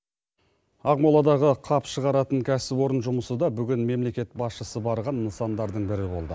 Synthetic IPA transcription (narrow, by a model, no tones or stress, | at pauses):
ɑqmolˠɑd̪ɑʁəqʰɑpʃəʁɑɾɑt̪əŋkʲʰæsɪpwo̞ɾənʒʊməsəd̪ɑbʏɡʲɪnme̞mle̞kʲe̞t̪̚bɑsʃəsəbɑɾʁɑnːəsɑnd̪ɑɾd̪əɴbɪɾɪbo̞̰lˠd̪ə